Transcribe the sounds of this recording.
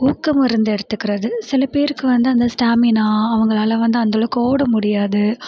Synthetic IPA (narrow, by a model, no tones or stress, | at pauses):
uːkːɐmɪɾɯnd̪ɯɛɽɯt̪ːɯkːɪɾɐðɯsɪlɐpeːɾɯkːɯʋɐnd̪ɯɐnd̪ɐsʈaːmɪnaːɐʋɐŋɡɐɭaːlɐʋɐnd̪ɯɐnd̪ɔɭɯkːɯoːɽɐmʊɽɪjaːðɯ